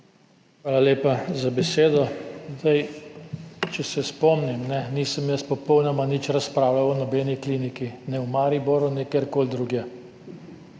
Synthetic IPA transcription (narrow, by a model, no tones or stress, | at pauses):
xʋaːlaleːpazabɛseːd̪ɔzd̪aj | t͡ʃɛsɛspɔmnimnɛnisəmjəspɔpɔwnɔmanit͡ʃɾaspɾaːwlawɔnɔbɛːnikliːnikinɛumaːɾiboɾunɛkeɾkoːld̪ɾuɡjɛ